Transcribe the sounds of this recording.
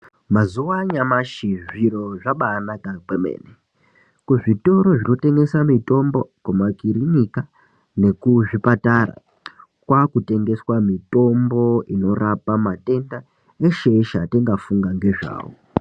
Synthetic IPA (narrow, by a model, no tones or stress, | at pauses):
mazuwaɲamaʃiʐiɾo̞ʐaɓanakakemḛːne | kuʐito̞ɾo̞ʐino̞te̞ŋɡe̞samito̞mbo̞kwomakiriɲika | ne̞kuʐipatara̰ | kwakute̞ŋɡe̞swamito̞mbo̞ino̞rapamate̞nda | eʃeiʃateŋɡafuŋɡaŋɡe̞ʐa̰ːwo̰